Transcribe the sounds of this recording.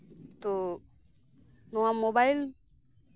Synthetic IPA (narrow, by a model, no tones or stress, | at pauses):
t̪o | noãmobail